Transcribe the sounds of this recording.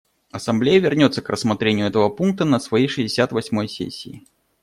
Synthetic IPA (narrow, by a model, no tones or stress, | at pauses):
ɐsamblʲejəvʲɪrnʲot̪səkrəsmat̪ɾʲenʲɪjʊɛt̪əvəpunk̚t̪ənəsvajejʂɨzʲdʲɪsʲat̪vasʲmojsʲḛsʲːiː